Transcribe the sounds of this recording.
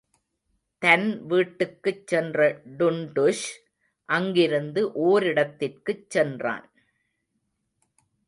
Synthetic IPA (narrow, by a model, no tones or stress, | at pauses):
t̪ɐnʋiːʈːɯkːɯt͡ʃːɛndrɐɖʊɳɖʊʂ | ʔɐŋɡɪɾɯnd̪ɯʔoːɾɪɽɐt̪ːɪrkɯt͡ʃːɛndra̰ːn